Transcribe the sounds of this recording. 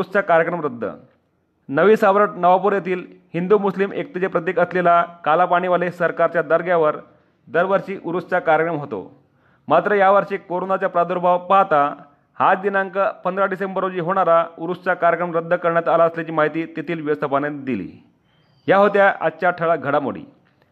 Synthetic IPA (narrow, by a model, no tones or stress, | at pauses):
ust͡sakaɾjəkɾəmɾəd̪ʱːə̰ | nəʋiːsaʋɾəʈ̚nəʋapuɾjet̪iːlhind̪umuslimʔek̚t̪id͡ʑepɾət̪̬ekəslelakalapaɽ̃iʋəlesəɾkaɾt͡ɕjad̪əɾɡjaʋəɾ | d̪əɾʋəɾɕiːʔuɾust͡sakaɾjəkɾəmɦot̪o̰ | mat̪ɾəjaʋəɾɕeːkoɾonat͡ɕapɾad̪oɾbawpaɦt̪a | had͡zd̪inaŋkəpənd̪ɾaɖisembəɾod͡ʑiːɦoɽ̃aɾauɾust͡sakaɾjəkɾəmɾəd̪ʱːəkəɾɳjat̪alaəsljat͡ɕiːmaɦit̪iːt̪it̪ʰiːlʋiʋəst̪ʰəpaned̪ilḭː | jaɦot̪jaʔa̰ːɕaʈʰəɭaɡʱəɽamo̰ɽḭː